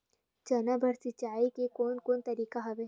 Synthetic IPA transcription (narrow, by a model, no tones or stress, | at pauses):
d͡ʒɐnabʱəɾsɪt͡ʃaːikekoːnkoːnt̪ɐɾiːkaɦɐʋe